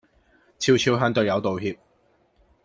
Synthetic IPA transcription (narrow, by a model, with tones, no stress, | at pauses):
t͡sʰiː˧wt͡sʰiː˧˥wɦœː˧˥ŋt̪ɵ˨ɥjɐ˨˧wt̪o˨wɦiː˧p̚